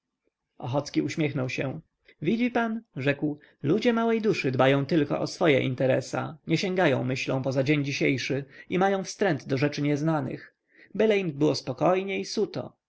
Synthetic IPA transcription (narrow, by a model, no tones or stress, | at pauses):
ɔxɔt̪skʲiuɕmʲjɛxnɔwɕɛ | vʲid͡ʑipanʐɛkw | lud͡ʑɛmawɛjd̪uʂɘd̪bajɔ̃w̃t̪ɘlkɔ̰ʔɔsfɔjɛ̰ʔḭnt̪ɛɾɛsa̰ɲɛɕeŋɡajɔ̃w̃mɘɕlɔ̃w̃pɔzad͡ʑeɲd͡ʑiɕejʂɘimajɔ̃w̃fst̪ɾɛnd̪d̪ɔʐɛt͡ʂɘɲɛznanɘ̰x | bɛlɛjn̚bɘwɔspɔkɔjɲɛisut̪ɔ̰